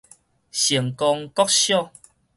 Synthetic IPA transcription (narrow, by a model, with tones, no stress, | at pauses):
ɕi˨˩əŋkɔ˧ŋkɔ˦k̚ɕjɔ˥˦˨